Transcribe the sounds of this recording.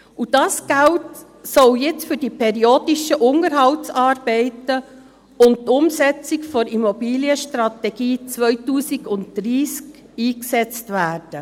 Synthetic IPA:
ud̥ɑːsɡ̥ælt | sɔljɛt͡sfʏɾdipʰɛɾioːd̥iʃəʔʊnəɾɦɑwtsɑːɾb̥ɛɪtə | ʊnt̚tʊmsɛt͡sɪkfɔɾimɔbiːliəʃtɾɑtɛɡ̥iːt͡sʋœʏtuːsiɡʊntd̥ɾiːsk | iːksɛt͡stvæːɾd̥ə

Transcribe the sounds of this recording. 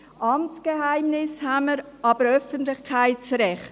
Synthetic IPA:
ʔɑmt͡skeɦaɪmnɪshaməɾɑːb̥əɾœfəntlɪχkʰaɪtt͡sɾɛχt

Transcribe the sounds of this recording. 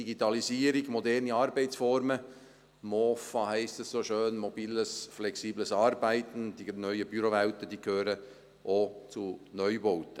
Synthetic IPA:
diɡitɑlisiːəɾiɡ̥mɔdɛɾniɑːɾbæɪt͡sfɔɾmə | moːfɑhæɪstəssoːʃøːnmobiːləsflɛksiːbləsɑːɾbæɪtn̩d̥inœʏəb̥yɾovæʊtəd̥iːkʰhøːɾə | ʔoːt͡sunœʏboʊtə

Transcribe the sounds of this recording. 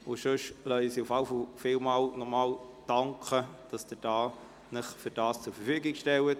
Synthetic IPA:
ʊʃøʃlœʏəsiufɑlfɔlfɪlmɑːlnɔʁmɑːld̥ɑŋkχəd̥ɑsd̥əd̥ɑː | nɪχfyɾd̥ɑːst͡sʊɾfəɾfyːɡɪɡʃtɛlət

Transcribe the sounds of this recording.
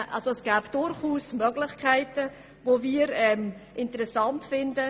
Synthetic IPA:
ʔɑ̰lzoɛsɡ̥æːbd̥ʊɾχuːsmœɡlɪçkʰaɪtə | voviːəɾɛmʔɪntəɾɛsɑntfɪndə

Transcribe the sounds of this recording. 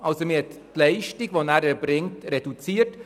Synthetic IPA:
ɑlsomɪhɛttlɛɪʃtiɡʋonæːɾɛɾbɾɪŋtɾed̥ut͡siːət

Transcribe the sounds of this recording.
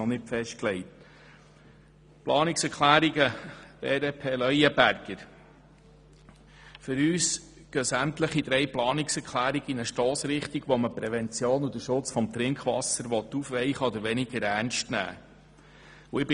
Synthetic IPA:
ɔnɪtfɛʃt̚klɛɪjt̚ | plɑːnɪksɛɾkʰlæːɾiɡədɛːdepʰeːlœjəbæɾɡ̥əɾ | fʏɾyːs | ɡ̥œsæmt̪ləχid̪ɾɛjplɑːnɪksɛɾkʰlæːɾiɡ̥inəʃtoːsɾɪχt̪iɡ̥ʋɔməpɾɛvɛnt͡sjoːnud̥̪əʃʊt͡sfɔmt̪ɾɪŋkχʋɑ̰səɾʋɔt̪ːufʋɛɪχəɔd̪əɾʋɛnɪɡ̥əɾæɾnʃtnæ̰ː | uɪb

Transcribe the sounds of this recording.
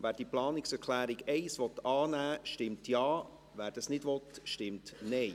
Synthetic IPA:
ʋæːɾd̥iːəplɑːnɪksɛɾkʰlæːɾiɡɛɪsʋɔtɑːnæːʃtɪmtjɑː | ʋæːɾd̥ɑsnɪdʋɔt̪ʃtɪmtnɛɪ

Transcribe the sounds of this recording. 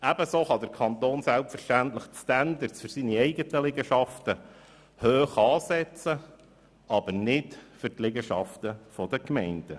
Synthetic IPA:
æb̥əsoːχɑd̪əɾkʰɑnt̪oːnsælpfəɾʃtæntləχstænd̪əɾsfʏɾsiniɛɪɡətəlɪɡəʃɑftə | høːχɑːsɛt͡sə | ɑb̥əɾnɪtfʏɾtlɪɡəʃɑft̪əfɔd̥̪əkmɛɪnd̥ə

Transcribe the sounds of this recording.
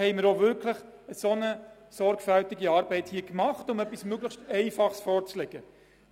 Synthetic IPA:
hɛɪməɾoʋʏɾkʰləχ | əsonə | sɔɾɡfæltɪɡiɑːɾbɛɪthiəkmɑχtʊmœpːismøɡləxʃtɛɪfɑχsfɔːɾt͡sleɡ̥ə

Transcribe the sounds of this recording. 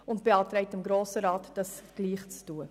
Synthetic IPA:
ʊnt̚b̥eɑːtɾɛɪtɪmɡɾoːsəɾɑːtd̥ɑsɡ̥liːχt͡stuːə

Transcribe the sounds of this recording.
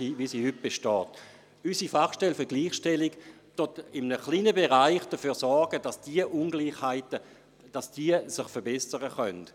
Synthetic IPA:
iʋisiːhyt̚b̥eʃtɔːt | ysifaχʃtɛlfəɐɡliːχʃtɛliɡ | tʊtɪmənəχliːnəbeʁaɪχd̥əfyːɐsɔɾɡ̥ədasd̥iəʔunɡliːχhaɪtə | d̥asd̥iəsɪχfəɐbɛsəʁəχœnt

